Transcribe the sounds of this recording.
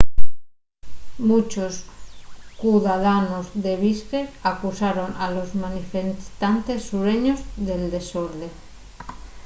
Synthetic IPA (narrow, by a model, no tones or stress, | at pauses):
mut͡ʃos | kuðaðanozðeβiskeakusaɾonalozmanifet̪ant̪esːuɾeɲozðeld̪esoɾðe